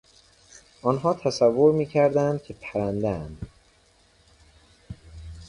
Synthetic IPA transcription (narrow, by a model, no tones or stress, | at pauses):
ʔɒːnɦɒːt̪ʰæsævːoɾmiːcʰæɾd̪ænd̪̥̚cʲʰe̞pʰæɾænd̪æænd̪